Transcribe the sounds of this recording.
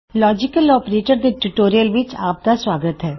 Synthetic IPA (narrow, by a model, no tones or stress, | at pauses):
lɔːd͡ʒɪkəlɔːpɾeːʈəɾd̪eʈuʈoːɾijəlʋɪt͡ʃa̰ːp̚d̪asʋaːɡət̪ɦɛː